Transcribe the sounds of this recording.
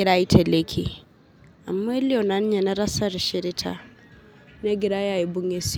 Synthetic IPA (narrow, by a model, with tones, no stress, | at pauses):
ɾa˦i˦tʰe˨le˦kʰi˨ | a˨mːa˦li˦o˨na˨˦n˦ɲe˨na˦ɾa˦sa˨ɾʃi˨ɾi˦tʰa̰˦ | ne˦ɡi˨ɾa˦ja˨ji˨bu˦ŋe˦s